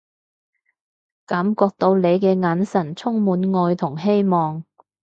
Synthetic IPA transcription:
kɐ˨˥mkɔː˧k̚t̪o˧wle˨˧jkɛː˧ŋaː˨˧˥nsɐ˨˩nt͡sʰʊ˥ŋmuː˨˥nŋɔː˧jt̪ʰʊ˨˩ŋɦe˥jmɔː˨ŋ

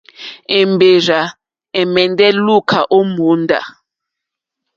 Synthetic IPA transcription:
ɛ˨mbe˨za˨ | ɛ˨mɛ˨ndɛ˦lu˦kʰa˨ʔo˦mu˨˦nda̰˨

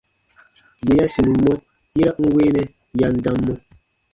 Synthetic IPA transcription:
je˨ja˦si˨mi˨mɔ˦ | ji˦ɾa˦ʔŋ̩˦we˦nɛ˦ | ja˦n̩˦da˦mːɔ˦

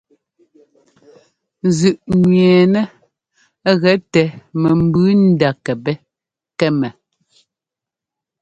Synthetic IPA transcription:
zʉ˨ʔɲɥɛː˨nɛ˦ | ɣɛ˨˦tɛ˨mɛ˨m̩˨bʉ˦n̩˦da˨kɛ˨bɛ˦ | kɛ˦mɛ˨

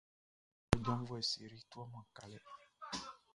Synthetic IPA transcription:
ɔ˦d͡ʒɔ˦m˦vɔ˦e˨si˨ɾi˦t̪u˦a˦mã˨ka˨lɛ˦

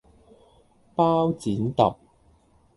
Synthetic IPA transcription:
paː˥wt͡siː˨˥nt̪ɐ˨p̚

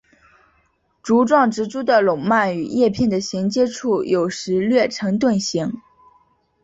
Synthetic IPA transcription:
ʈ͡ʂu˧˥ʈ͡ʂwɑ˥˩ŋʈ͡ʂɻ̩˧˥ʈ͡ʂu˥d̪ə˨lʊ˨˩ŋma˥˩ny̰˨˩jɛ˥˧pʰjɛ˥˩nd̪ə˩ɕi˧˥ŋt͡ɕjɛ˥ʈ͡ʂʰu˥˩jo˨˩ʊʂɻ̩˧˥lɥɛ˥˩ʈ͡ʂʰɤ˧˥ŋt̪wə˥˩nɕi˧˥ŋ

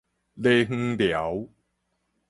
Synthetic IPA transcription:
le˦ŋ̩˦ŋlja˨˦w

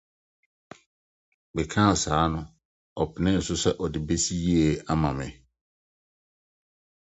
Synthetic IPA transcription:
bɛ˨kʰã˦a˨saː˨˦nʊ̃˦ | ɔ˨pʰɪ˨nɪ̃˦n̩˨sʊ˦sɛ˦ʔɔ˨dɪ˨be˦si˦ji˦e˨a˦mã˨mɪ̰̃˨

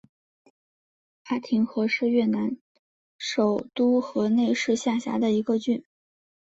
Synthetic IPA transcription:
a˥˩t̪ʰi˧˥ŋxɤ˧˥ʂɻ̩˥˧ɥɛ˥˩na˧˥n | ʂo˨˩ʊt̪u˥xɤ˧˥ne˥˧ɪʂɻ̩˥˧ɕja˥˩ɕja̰˧˥d̪ə˧i˧˥ɡə˧t͡ɕy˥˩n

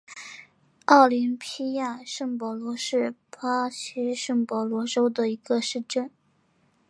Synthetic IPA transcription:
ɑ˥˩ʊli˧˥ŋpʰi˥ja˥˧ʂɤ˥˩ŋpwɔ˧˥lwɔ˧˥ʂɻ̩˥˩pʰa˥ɕʰy˥ʂɤ˥˩ŋpwɔ˧˥lwɔ˧˥ʈ͡ʂo˥ʊd̪ə˨i˧˥ɡə˧ʂɻ̩˥˧ʈ͡ʂə˥˩n

